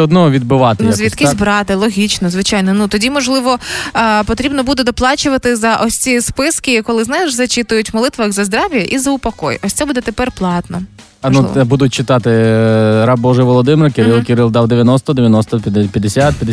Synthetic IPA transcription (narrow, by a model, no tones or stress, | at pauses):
ɛɔd̪nɔɦɔʋʲid̪̚bɪʋɑt̪enluzʲʋʲikisʲbɾɑt̪ɪlˠɔɦʲit͡ʃnɔzʋɪt͡ʃɑjnɔnut̪ɔdʲimɔʒlˠɪʋɔpɔt̪ɾʲibnɔbud̪ɛd̪ɔplˠɑt͡ʃʊʋɐt̪ɪzɐʔɔsʲt͡sʲispɪskɪkɔlˠɪznɛjʒzɐt͡ʃit̪ʊjʊtʲmɔlˠɪt̪ʋɐxzɐzd̪ɾɑʋjɐʔizɐʊpɐkɔjʔɔsʲt̪ɛbud̪ɛt̪epɛrplˠɑt̪nɔ | ɐnṵbud̪ʊt̚ʲt͡ʃɪt̪ɑt̪ɪ | ɾɑbbɔʒɛjʋɔlˠɔd̪ɪmeɾkʲɪɾɪlˠkʲɪɾɪlˠd̪ɑwd̪eʋʲjɐnɔst̪ɔd̪eʋʲjɐnɔst̪ɔpʲjɐd̪esʲat̪̚pʲjɐd̪